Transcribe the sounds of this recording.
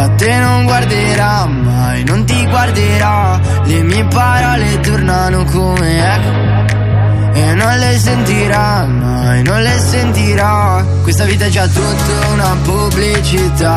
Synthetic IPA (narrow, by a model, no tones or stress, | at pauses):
at̪ːenoŋɡward̪eɾa | mːajnont̪̬iɡward̪eɾa | lemiepaɾalet̪ornanokomeɛkːo | enːonlesent̪iɾa | mːa | jnonlesent̪iɾa | kwest̪aviːt̪ad͡ʒat̪ːut̪ːaunapublit͡ʃit̪a